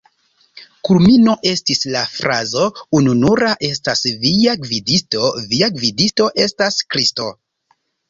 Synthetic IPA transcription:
kulminoʔe̞stislafɾazo̞ununuɾaʔe̞stasviaɡvidisto̞viaɡvidisto̞ʔe̞staskɾisto

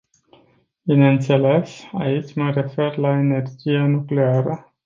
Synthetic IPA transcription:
binnt̪se̞le̞sa̰it͡ʃʲməre̞fe̞rlaene̞rd͡ʒijanukle̞aɾə

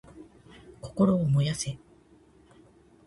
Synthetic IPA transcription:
ko̞̥ko̞ɾo̞ːmo̞jase

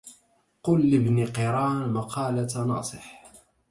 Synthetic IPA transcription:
qʊlːɪbniqɪɾˤɑːnmɑqʰɑːlat̪nɑ̰ːsˤɨħ

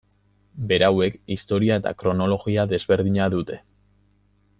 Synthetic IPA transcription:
be̞ɾawe̞kist̪o̞ɾiae̞t̪a̰kɾo̞no̞lo̞ɣiaðe̞zβe̞ɾð̞iɲaðut̪e̞

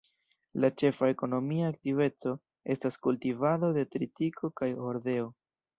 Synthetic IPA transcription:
lat͡ʃe̞fae̞ko̞no̞miaːktive̞t͡so̞ | e̞staskultivado̞de̞tɾitikʰo̞kajo̞ɾde̞o

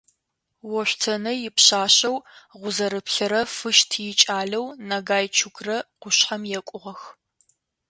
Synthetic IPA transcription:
wɔɕʷtʰɐnɐjɪpɕaːɕɐwʁʷʊzɐɾɨpɬɐɾɐfɨʃtʰjɪt͡ʃʼaːɮɐwnɐɡaːjt͡ʃʰʊkrɐqʷʊɕħɐmjɛkʷʼʊʁɐx

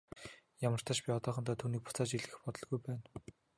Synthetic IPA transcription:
jamə̆r̥t̪ʰaːʃpʲiɔt̪ɔːχɞ̆nt̪aːt̪ʰuːniːk̚pʊ̥t͡saːt͡ɕiɮɘ̆xpɔt̪ɞ̆ɮɡujpæːn

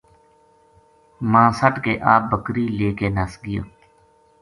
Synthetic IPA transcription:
mãːsəʈkeːʔaːp̚bəkɾiːleːkeːnaːsɡɪjo̰ː

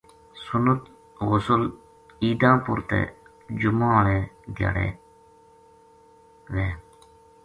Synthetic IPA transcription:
sʊnət̪ | ɣʊsʊl | iːd̪ãːpʊɾt̪ḛː | d͡ʒʊmãːɽeːd̪ja̰ːɽḛː | ʋeː

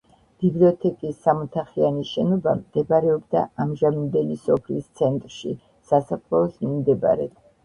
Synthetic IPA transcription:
b̥ibliɔt̪ʰɛkʼisːamɔt̪ʰaχianiʃɛnɔbamd̪̥ɛbaɾɛɔbd̪aamʒamimd̪ɛlisɔpʰlist̪sʰɛnt̪ʼɾʃḭ | sasapʰlɛɔsmimd̪ɛba̰ɾɛ̰t̪

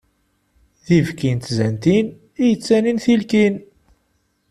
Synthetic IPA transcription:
ðivkint̪zænt̪in | ijət͡sːæninθilkin

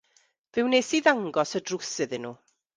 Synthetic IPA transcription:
vɪwnejsiðaŋɡɔsədrʊsɨðɪnːṵː

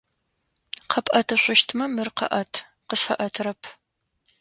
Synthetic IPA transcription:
qʰɐpʼʔɐtʰɨɕʷʊʃtʰmɐmɨrqɐ̰ʔɐtʰ | qəsɐʔɐtʰɾɐpʰ

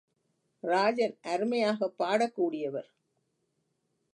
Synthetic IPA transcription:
ɾaːd͡ʒɐnʔɐɾɯmɐjaːɣɐpːaːɽɐkːuːɽɪjɐʋɐɾ

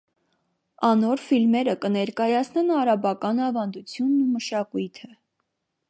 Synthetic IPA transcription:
ɑnɔɾfilmɛɾəkənɛɾkɑjɑt͡sʰnɛnɑɾɑbɑkɑnɑvɑnd̪ut͡sʰjunːuməʃɑkujt̪ʰə

